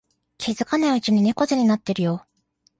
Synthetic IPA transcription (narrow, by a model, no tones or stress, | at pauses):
kʲʰizɨkanaɯ̟t͡ɕiɲ̟ine̞ko̞zɨɲ̟inat̪ːe̞ɾɯ̟jo̞